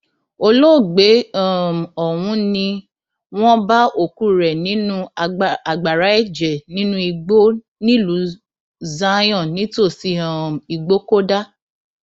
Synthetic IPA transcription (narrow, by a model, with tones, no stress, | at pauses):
o˧lo˦˨ɡ͡be˨˦a˦˨m˨ɔ˨wũ˨˦nĩ˧ | w̃ɔ̃˦ba˦o˦˨ku˦ɾɛ˨nĩ˨˦nũ˦˨a˨ɡ͡ba˨ɾa˨˦ɛ˦˨d͡ʒɛ˨nĩ˦nũ˦i˧ɡ͡bo˦ | nĩ˦lu˨˦ | za˦j̃ɔ̃˦˨nĩ˨˦to˦˨si˧a˦˨m˨i˨ɡ͡bo˦ko˦da˦